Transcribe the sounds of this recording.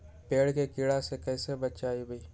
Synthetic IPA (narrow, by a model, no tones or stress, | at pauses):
peːɽkekɪɽasekɛːsebət̪t͡ʃaːibəiː